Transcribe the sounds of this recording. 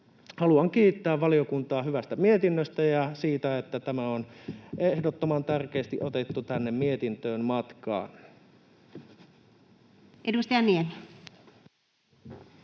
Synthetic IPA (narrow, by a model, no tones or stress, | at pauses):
hɑluɑŋkiːt̪ːæːʋʋɑliokunt̪ɑːhyʋæst̪æmiet̪inːøst̪æjɑsiːt̪æet̪ːæt̪æmæonʔehdot̪ːomɑnt̪ærk̟eːst̪iʔot̪et̪ːut̪ænːemmiet̪int̪øːnmɑt̪kɑ̰ːn | ʔedust̪ijɑniemi